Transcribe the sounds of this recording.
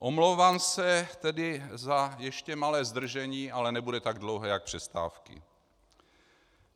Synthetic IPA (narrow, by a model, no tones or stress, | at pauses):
ʔomlowvaːmsɛt̪ɛdɪzajɛʃcɛmalɛːzd̪r̩ʒɛɲiːʔalɛnɛbudɛt̪aɡdlowɦɛjak̚pr̥ɛst̪a̰ːfkɪ̰